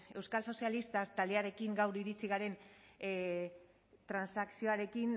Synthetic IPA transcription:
e̞wskalso̞sialist̪ast̪ald̪eaɾe̞kiŋɡawɾiɾit͡siɣ̞aɾe̞n | t̪ɾansaksio̞aɾe̞kin

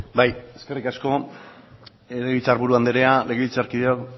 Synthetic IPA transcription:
baje̞ske̞rikasko̞ | eleɣit͡saːɾβuɾuand̪eɾeale̞ɣeβit͡saɾkiðeak

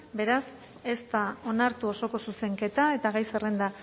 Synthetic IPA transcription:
be̞ɾas | est̪ao̞naɾt̪uo̞so̞ko̞suse̞ŋke̞t̪ae̞t̪aɣajserend̪a

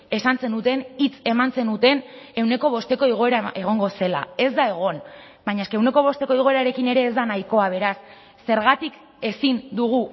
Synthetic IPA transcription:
e̞sant͡se̞nut̪e̞nit͡se̞mant͡se̞nut̪e̞ne̞wne̞ko̞β̞o̞st̪e̞ko̞iɣ̞oe̞ɾaʔe̞ɣ̞o̞ŋɡo̞se̞la̰e̞zd̪ae̞ɣ̞o̞n | bajɲaeskeewne̞ko̞β̞o̞st̪e̞ko̞iɣo̞e̞ɾaɾe̞kine̞ɾe̞ːzd̪anajko̞aβ̞e̞ɾasː | e̞ɾɣat̪ik | e̞sind̪uɣ̞u

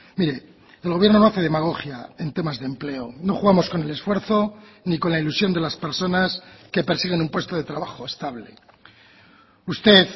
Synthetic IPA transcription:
miɾe̞ | elɣβjeɾno̞no̞aθe̞ðemaɣ̞o̞xja̰e̞nt̪emazðemple̞ono̞xuɣamo̞sko̞ne̞le̞sfwe̞ɾθo̞niko̞nlailusjo̞nd̪e̞laspe̞ɾso̞naske̞pe̞ɾsiɣ̞enumpwe̞st̪o̞ð̞e̞t̪ɾaβaxo̞est̪aβle | ust̪e̞θ

